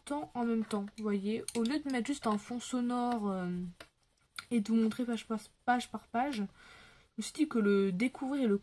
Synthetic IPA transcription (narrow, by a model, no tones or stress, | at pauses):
t̪ɑ̃ɑ̃mɛmt̪ɑ̃vwajeoljød̪əmɛt̪χʒyst̪ɛ̃fɔ̃sɔnɔʁø | ed̪əmɔ̃t̪χepaʒpaʒpaʁpaʒ | ʒəsid̪ikələd̪ekʰuvʁiʁelə